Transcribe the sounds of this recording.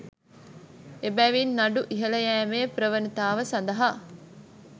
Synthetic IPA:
ebæːʋiːnːɐɖuʔiɦɐlɐjæːmeːpɾəʋənit̪aːʋəsɐnd̪ɐɦa

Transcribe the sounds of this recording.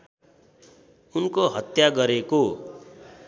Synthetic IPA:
unkoɦʌt̪jaɡʌɾeko

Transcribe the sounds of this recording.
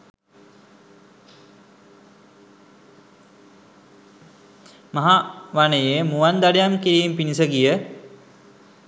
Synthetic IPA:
mɐɦaʋanəjemuʋand̪aɖejamkiɾiːmpinisəɡijə

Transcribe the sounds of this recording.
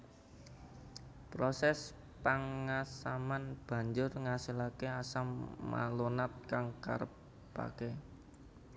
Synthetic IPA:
pɾosɛs | paŋasamanb̥ä̤ɲd͡ʒʊrŋasilakeasamːa̰lonat̪̚kaŋka̰ɾə̰pː | a̰ke

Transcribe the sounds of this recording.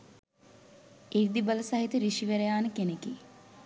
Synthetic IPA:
eʋid̪ibələsaɦit̪əɾiʃiʋeɾejaːnəkeneki

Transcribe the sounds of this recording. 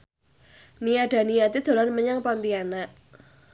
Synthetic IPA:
nijaɖ̥a̤nijat̪id̪̥o̤lɔnməɲaŋpɔnt̪ianaʔ

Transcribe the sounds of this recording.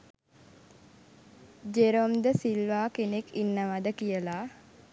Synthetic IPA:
d͡ʒeɾomd̪əsilʋaːkenekinːəʋad̪əkijəla

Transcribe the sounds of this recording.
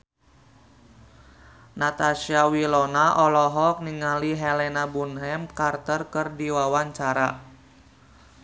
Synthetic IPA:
nat̪aʃiawilɔnaʔɔlɔɦɔk̚niŋaliɦɛlɛnabunɦɛmkart̪ərkɨrdiwawaɲt͡ʃaɾa

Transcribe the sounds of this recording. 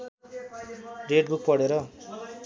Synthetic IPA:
reɖbuk̚pʌɽeɾʌ

